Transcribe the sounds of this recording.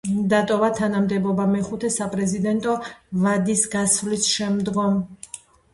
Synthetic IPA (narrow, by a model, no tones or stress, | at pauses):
d̪at̪ʼɔvat̪ʰanamd̪ɛbɔbamɛχut̪ʰɛsapʼɾɛzid̪ɛnt̪ʼɔvad̪isɡasvlisʃɛmd̪ɡɔm